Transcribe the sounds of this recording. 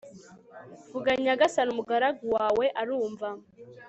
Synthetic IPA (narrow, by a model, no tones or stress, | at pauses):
vuɡaɲaɡasanumuɡaɾaɡuwaːwe̞ʔaɾuːɱva